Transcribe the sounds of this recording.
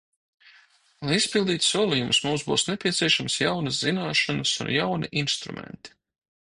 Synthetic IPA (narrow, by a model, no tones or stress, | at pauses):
lajispilˠd̪iːt̪suɔlˠijumsmumzbuːsnepʲiɛt̪siɛʃamsjawnəzzinaːʃanəsṵnjawnḭʔinst̪ɾṵmɛ̰nt̪i̥